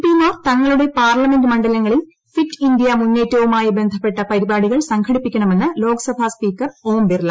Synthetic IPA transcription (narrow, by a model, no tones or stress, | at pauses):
pimaːrt̪ɐŋːɐɭuɽe̞paːrlɐme̞ndɨmɐɳɖɐlɐŋːɐɭil | fitːind̪ijɐmunːe̞ːtːɐʋumaːjibe̞nd̪ʱɐpːe̞ʈːɐpɐɾibaːɽiɣɐɭsɐŋkʰɐɽipːikʲːɐɳɐme̞nːɨlo̞ːkɐsɐbʱaspiːkːɐroːmbirlɐ